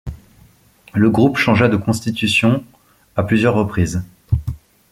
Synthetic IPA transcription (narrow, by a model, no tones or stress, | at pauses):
ləɡʁupʃɑ̃ʒad̪əkɔ̃st̪it̪ysjɔ̃ | aplyzjœʁːəpχiːz